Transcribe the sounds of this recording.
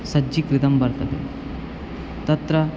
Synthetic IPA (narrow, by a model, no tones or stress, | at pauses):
sɐd͡ʒiːkɾid̪ɐmbɐɾt̪ɐb̪ḛ | t̪ɐt̪ɾɐ